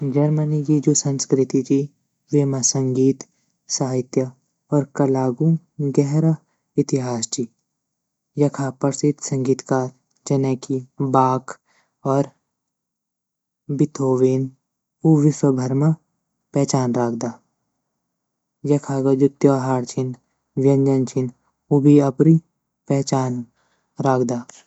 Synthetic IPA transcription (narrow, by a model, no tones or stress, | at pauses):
d͡ʒɐɾmənikid͡ʒoːsɐ̃nskɾɪt̪it͡ʃʰi | ʋeːmasɐ̃ŋɡiːt̪ | saːɦɪt̪jə | ɔːɾkɐlaːɡũ | ɡɛɦɾa | ɪt̪ɪɦaːst͡ʃiː | jɐkʰaːpɐɾsɪt̪sɐ̃ŋɡiːt̪kaːɾ | d͡ʒɐnɛ̃kʰibaːk | ɔːɾ | bɪt̪ʰoːʋeːn | uʋɪswɐbʱɐɾma | pɛːt͡ʃaːnɾaːkʰd̪aː | jɐkʰaɡad͡ʒʊt̪joːɦaːɾt͡ʃʰɪn | ʋjɐ̃nd͡ʒɐnt͡ʃʰɪn | ubʱiɐpɾi | pɛɦt͡ʃaːn | ɾaːkʰd̪aː